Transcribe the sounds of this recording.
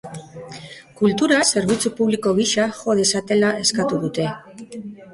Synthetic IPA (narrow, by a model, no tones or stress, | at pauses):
kult̪uɾase̞ɾβ̞it͡supuβ̞liko̞ɣiʃaxo̞ð̞e̞sat̪e̞lae̞skat̪uðut̪e̞